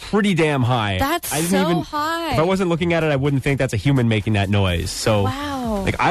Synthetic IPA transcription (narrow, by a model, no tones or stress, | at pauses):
pʰɹ̥ɪɾidæ̃mɦaɪaɪdɪdn̩tivɨ̃nabʌɾaɪwʌzɨ̃ntˡlʊk̬ɪ̃ŋɨɾɨɾaɪwʊdⁿn̩θɪ̃ŋk̚ðætsɨhjʉmɨ̃nmeɪkɪ̃ŋðɨtⁿnɔɪz̥soʊla̰ɪka̰ɪ